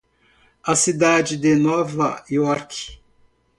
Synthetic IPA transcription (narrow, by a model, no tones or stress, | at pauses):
ɐsid̪ad͡ʒɪd̪enɔvɐiɔɾk